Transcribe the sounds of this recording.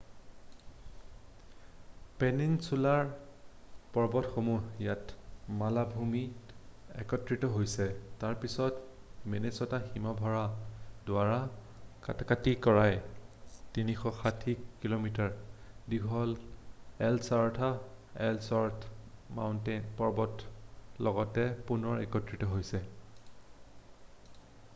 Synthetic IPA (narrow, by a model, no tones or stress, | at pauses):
pɛninsulaɹ | pɔɹbɔtxomujatmalabʱumi | ɛ̰kɔtɹitɔɦojsɛtaɹpisɔtmenesɔtaximabʱɔɹadʊaɹa | ka̰takatikɔɹaj | tinixɔxatʰiːilomitaɹ | diɡʱɔl | ɛlsaɹtʰaɛ̰lsɔɹtʰma̰wntɛnpɔɹbɔtlɔɡɔtɛpunɔɹɛ̰kɔtɹitɔɦojsɛ